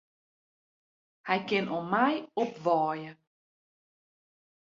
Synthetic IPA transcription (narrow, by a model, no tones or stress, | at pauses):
hɛjkɪnɔmɛjɔpʋɔːjə